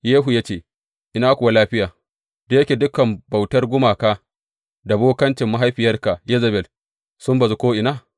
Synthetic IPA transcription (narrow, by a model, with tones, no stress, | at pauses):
jeː˦ɦu˨ja˦t͡ʃeː˦˨ | ʔɪ˨naː˦kʷʊ˨wa˦laː˦ɸɪ˦jaː˨ | de˦jɐ˦kʲe˨dʊ˦kɐ˨mba˨wtɐ˦rɡʷʊ˦maː˨kaː˦ | da˨boː˦kɐ˦nt͡ʃɪ˨mːa˦ɦa˦jɸɪ˨jɐ˦rka˨jɪ˦zɐ˨bɛ˨l | sʊ˦mba˨zu˦koː˦ʔɪ˨naː˦